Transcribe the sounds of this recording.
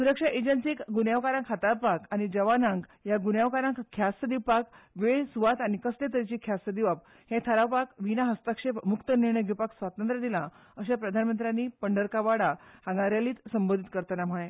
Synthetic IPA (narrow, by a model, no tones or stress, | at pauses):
suɾəkʂaʔed͡ʑənsikɡunjaʋkaɾãŋkɦət̪aɾpakañid͡ʑəʋanãŋkjaɡunjaʋkaɾãŋkkʰːjasəd̪iwpakʋeɭsuʋat̪anikəslet̪əɾit͡ɕikʰjasəd̪iʋap̚ | hẽt̪ʰəɾaʋpakʋinaɦəst̪akʂepmukt̪əniɾɳəjɡʱipaksʋat̪ənt̪ɾəd̪ilã | əɕapɾəd̪ʱanmənt̪ɾjanipəɳɖəɾkaʋaɽahãŋɡaɾjaliːt̪səmbond̪ʱit̪kəɾt̪anam̤əɭẽ